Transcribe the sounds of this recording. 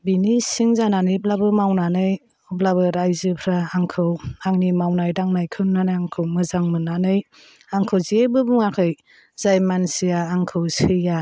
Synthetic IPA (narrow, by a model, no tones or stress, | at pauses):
binisiŋzananiblabɯmawnanɯj | ɔblabɯɾajzɯpʰɾaaŋkʰɯwaŋnimawnajdaŋnajkʰɯnnanɯjaŋkʰɯwmɯzaŋmɯnːanɯj | aŋkʰɯwziebɯbuŋakʰɯj | z̥ajmansijaːŋkʰɯwsɯja